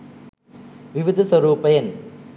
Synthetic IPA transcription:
ʋɪʋɪd̪ɐsʋɐɾuːpɐjɐn

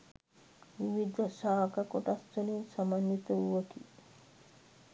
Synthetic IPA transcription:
ʋiʋid̪ʱɐʃaːkɐkoʈast̪olinsamanːit̪ɐuʋɐki

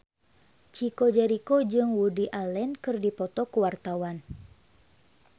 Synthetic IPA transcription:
t͡ʃikod͡ʒɛɾikod͡ʒɨŋwudiʔalɛnkɨrdipɔt̪ɔkəwart̪awan

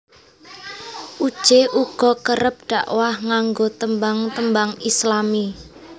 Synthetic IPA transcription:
ʔud̥ʒ̥eʔuɡ̥ɔ̤kəɾəp̚ɖ̪̥aʔwahŋaŋɡot̪əmbaŋt̪əmbaŋislami

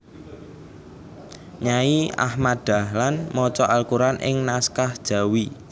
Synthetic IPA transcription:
ɲaia̰hmad̪̥a̤hlanmɔt͡ʃɔʔalkuɾanʔɪ̰ŋnaskahd̥ʒ̥a̤wi

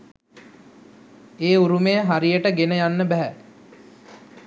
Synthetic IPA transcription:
eːuɾumejəɦaɾijəʈəɡenəjanːəbæɦæ

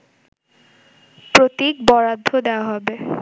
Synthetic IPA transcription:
pɹot̪ikbɔɹad̪ʱːod̪ewaɦɔbe

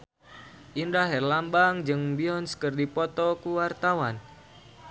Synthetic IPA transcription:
ʔindaɦɛrlambaŋd͡ʒɨŋbiɔnskərdipɔt̪ɔkuwart̪awan

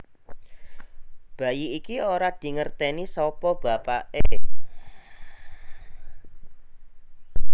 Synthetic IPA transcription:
b̥a̤jiikioɾad̪̥i̤ŋərt̪ɛnisɔpɔb̥a̤paʔe

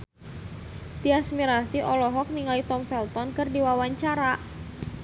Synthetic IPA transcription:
d̪iasmiɾasiʔɔlɔɦɔk̚niŋalit̪ɔmfɛlt̪ɔnkɨrdiwawaɲt͡ʃaɾa

